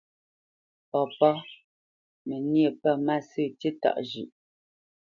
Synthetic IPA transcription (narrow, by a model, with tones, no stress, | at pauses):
pɔ˨pɔ˦ | me˨nje˦˨pɛ˦˨ma˦˨sʉ˦˨ti˦ta̰˦˨ʔd͡ʒʉ̰˨ʔ